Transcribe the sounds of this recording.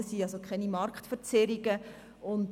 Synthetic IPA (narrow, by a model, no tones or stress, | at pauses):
əsiːɑsokʰχɛnimɑɾkχtfəɾt͡sɛɾiɡə | ʊnt